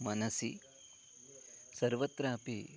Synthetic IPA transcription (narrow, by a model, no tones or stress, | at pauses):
mɐnɐsḭ | sɐɾʋɐt̪ɾaːɐpḭ